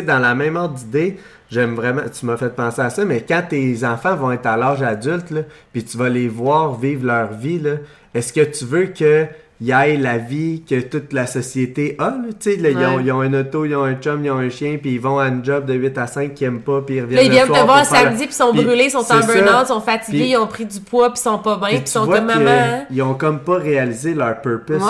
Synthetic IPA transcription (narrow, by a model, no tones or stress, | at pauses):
d̪ɑ̃lamɛ̃mɔʁt̪̚d̪id̪e | ʒɛmvʁɛmã̰t̪ymʌfɛt̪̚pɑ̃ːseasʌmɛkãt̪ezɑ̃fãvɔ̃ɛt̪alaʒad͡zʏlt̪lʌpit̪yvʌlevwɑːʁviːvlœːʁvilʌ | ɛskət̪yvøkə | ijajlavikʲət̪ʊt̪lasɔsjet̪eʔʌlʌt͡selʌijɔ̃ijɔ̃ɛ̃nɔt̪ojɔ̃ɛ̃t͡ʃɔmjɔ̃ɛ̃ʃjɛ̃piivɔ̃aynd͡ʒʌb̚d̪əɥɪt̪asɛ̃ɪ̃ŋkʰʲːiɛmpʌpiːʁvjɛnivjɛ̃nləvwaːsamd͡zzipi̥sɔ̃pbʁylesɔ̃sɑ̃bɛnãt̪sɔ̃fat͡sipɡeiɔ̃pχid͡z̪ypwɔpi̥sɔ̃pɔbɛ̃pisɔ̃vwamãijɔ̃kɔmpʌʁealizelœːʁpɜ˞pɛs